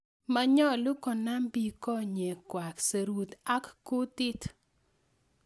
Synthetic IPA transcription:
ma˨ɲɔ˦˨lʊ˦kɔ˨na˦mbi˦kɔ˦ɲe˨kwa˨kse˨ɾwu˨t̪a˦kːu˦t̪ɪ˦t

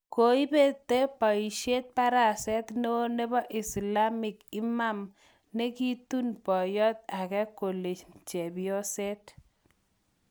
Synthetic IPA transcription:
ko˨i˦be˦t̪e˦pa˨i˨ʃe˦t̪̚pa˦ɾa˨sɛ˦t̪no˦ne˦bɔ˦ʔɪ˨sla˦mɪ˨kɪ˦ma˦m | ne˦ki˦t̪u˦npɔ˨jɔ˦t̪̚a˨kɛ˦ko˨le˨t͡ʃt͡ʃe˨bɪɔ˦sɛ˦t̪

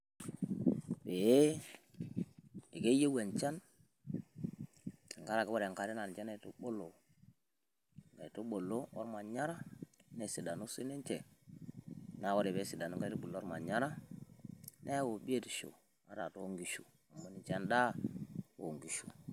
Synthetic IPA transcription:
be˨e˦ | e˨ɡe˦je˦we˨nt͡ʃa˦n˨ | ŋɡa˦ɾa˨ke˦bo˦ɾe˨ka˨ɾi˦na˨n˨t͡ʃa˦na˨to˦ɓo˦lːo˨ | ŋɡa˨i˨to˦ɓo˨lːo˦o̰˦ɾma˨ɲa˦ɾa˦ne˨si˨da˨nu˦si˦ne˦nt͡ʃe˨ | na˨˦wo˦ɾe˨be˦si˨da˨nu˦ŋɡa˦˨tu˦bu˨lo˦ɾma̰˨ɲa˦ɾa˦ | ne˦wo˨bi˦e˦ti˨ʃo̰˨ | a˦ɾa̰˨to˦ŋɡi˨ʃu˨ | u˨mːo˨˦ni˦t͡ʃa˦nda˦wo˨ŋɡi˨ʃu˨

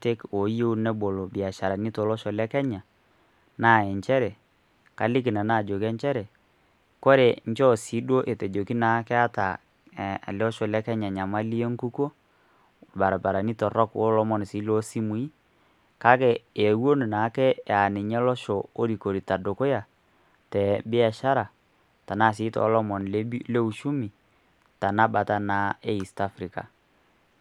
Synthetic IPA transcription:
te˦ko˨˦je˦u˦nɛ˦bo˨lo˨bi˨a˨ʃa˨ɾa˨ni˦tɔ˨lɔ˦ʃɔ˨lɛ˦kɛ˦ɲa˨ | na˦˨ɛ˨ɲt͡ʃɛ˦ɾɛ˨ | ka˨lɪ˦kɪ˨na˨na˦˨d͡ʒo˨kɛ˦ɲt͡ʃɛ˦ɾɛ˨ | ko˦ɾe˨ɲ˦t͡ʃɔ˦si˨˦dwo˦ʔe˨te˨d͡ʒo˨ki˦na˨˦kɛ˦a˦ta˨ | a̰˨lɔ˦ʃɔ˨lɛ˦kɛ˦ɲa˨ɲa˨ma˦li˦e˦ŋ˦ku˦ko˦˨ | ba˨ɾa˨ba˨ɾa˨ni˦tɔ˨ɾɔ˦kwo˦lɔ˦mɔ˨n˨si˨˦lo˦si˦mu˨˦i˦ | ka˦kɛː˨wo˦ni˨na˨˦kɛ˦˨a˨nɪ˨ɲɛ˦lɔ˦ʃɔ˨o˦ɾi˨ko˨ɾi˨ta˨do˨ko˦ja˨ | tɛ˨bɪ˦a˨ʃa˦ɾa˨ | ta˨na˦˨s̬i˨˦tɔ̰˨˦lɔ˦mɔ˨nli˦le˦u˨ʃu˦mi˨ | ta˨na˦ba˨ta˨na˨˦e˦i˨sta˦fɾi˨ka̰˨

